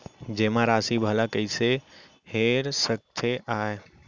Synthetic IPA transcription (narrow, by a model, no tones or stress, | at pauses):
d͡ʒemãɾasibʱəlakəɪse | heɾsək̚t̪ʰeʔae